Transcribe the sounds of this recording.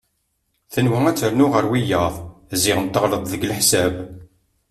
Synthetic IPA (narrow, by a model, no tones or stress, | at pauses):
θənwææt͡sːəɾnʊʁəɾwijəðˤzɪʁənt̪ːəʁlət̪ˤðəɡəlħsæb